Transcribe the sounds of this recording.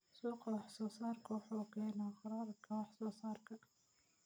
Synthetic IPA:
suːqɑwɑħsɔːsɑːrkʰɐwʊħuːkʰɛːnaqɑɾɑːɾɐkʰɐwɑħsɔːsɑːrkʰɐ

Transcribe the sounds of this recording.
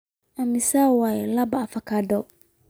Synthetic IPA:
amisawaɛlabaːfakadɔ

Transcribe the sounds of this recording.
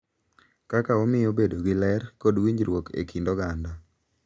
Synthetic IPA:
kakaomɪjobedoɡɪlɛrkodwiɲd͡ʒɾwokḛkʰindɔɡanda

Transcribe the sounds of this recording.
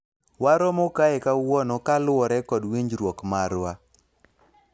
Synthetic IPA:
waɾɔmokaɛkawɔnɔkalʊɔɾɛkɔdwiɲd͡ʒɾwɔkmaɾwa

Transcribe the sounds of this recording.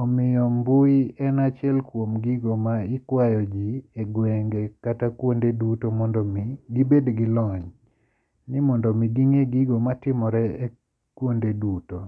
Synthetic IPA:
ɔmɪjɔmbʊiɛnat͡ʃjɛlkwomɡiɡomaɪkwajɔd͡ʒieɡwɛŋɡekatakwondedutomɔndɔmɡibedɡilɔɲ | nɪmɔndɔmidiŋeɡiɡomatɪmɔɾɛe | kwondeduto

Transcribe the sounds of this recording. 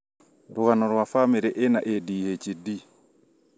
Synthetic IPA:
ɾuɣanɔɾuwafamɛɾɛʔɛnaʔediːhet͡ʃidi

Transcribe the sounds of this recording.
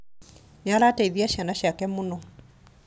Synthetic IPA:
nalataiðiaʃanaʃakɛmunɔ

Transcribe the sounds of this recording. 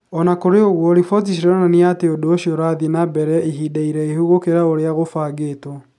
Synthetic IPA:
ɔnakoɾeoɣwɔɾifɔt̬is̬iɾananeateodoːɕioɾaðinabɛɾɛiɦidaiɾɛehuɣokeɾaoɾeaɣofaːɡetɔ

